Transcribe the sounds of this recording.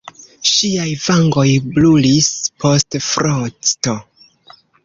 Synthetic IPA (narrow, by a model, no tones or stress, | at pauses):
ʃiajvaŋɡo̞jblulispʰo̞stfɾot͡sto̞